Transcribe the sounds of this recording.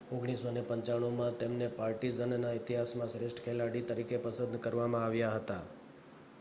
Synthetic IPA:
oɡɽ̃isonepəɲt͡ʃaɽ̃umãt̪emnepaɾʈizənnaɪt̪iɦasmãsɾesʈkʰelaɽit̪əɾikepəsəd̪kəɾʋamãaʋjaɦət̪a

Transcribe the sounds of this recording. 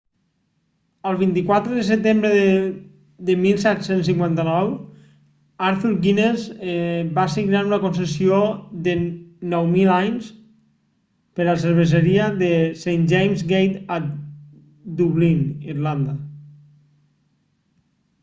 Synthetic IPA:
əlˠβint̪ikwat̪ɾəðəsət̪embɾəð | d̪əmilˠsɛt̪sens̬iŋkwant̪ənɔw | aɾθuɾɡinezbasiɣnaɾunəkons̬əsioðənɔwmilajns | pəɾəs̬əɾβ̞əzəɾiəðəsejnd͡ʒejmzɡejt̪ə | d̪uβlinirland̪a

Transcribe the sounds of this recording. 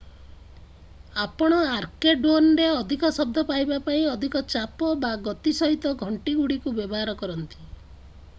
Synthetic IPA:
apɔɽ̃ɔaɾkeɖonɾeɔd̪ʱikɔsɔb̚d̪ʱɔpajbapaĩɔd̪ʱikɔt͡ʃapɔbaɡɔt̪isɔɦit̪ɔɡʱɔɳʈiɡuɽikubjebɔɦaɾɔkɔɾɔnt̪i̥

